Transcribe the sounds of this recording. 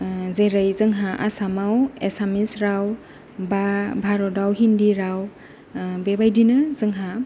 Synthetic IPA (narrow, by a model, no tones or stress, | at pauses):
zeɾəjzɯŋɦaʔa̰samawesamisɾaw | babʱaɾɔdawɦindiɾaw | bebajdinɯzɯŋɦa